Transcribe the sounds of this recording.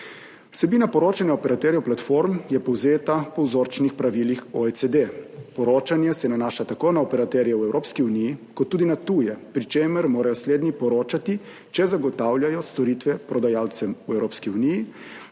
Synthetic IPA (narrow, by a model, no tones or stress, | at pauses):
wsɛbiːnapɔɾoːt͡ʃanjɛɔpɛɾat̪ɛːɾijɛplat̪foɾmjɛpɔwzeːt̪apɔwzoːɾt͡ʃnixpɾaʋiːlixɔesed̪epɔɾoːt͡ʃanjɛsɛnanaːʃat̪akoːnaɔpɛɾat̪ɛɾjɛwɛwɾoːpskiunijikɔt̪ːuːd̪inat̪uːjɛpɾit͡ʃeːməɾmoːɾajɔsleːd̪nipɔɾoːt͡ʃat̪i | t͡ʃɛzaɡɔt̪aːwljajɔst̪ɔɾit̪ʋɛpɾɔd̪ajawt̪sɛmuɛwɾoːpskiuniji